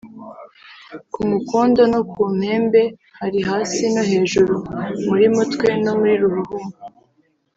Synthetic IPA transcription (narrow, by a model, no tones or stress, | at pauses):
kumukuːndonokʰuːm̥he̞ːmbe̞ | haɾiɦaːsinohe̞ːʒuɾumuɾimutkwe̞no̞muɾiɾuɾuhumu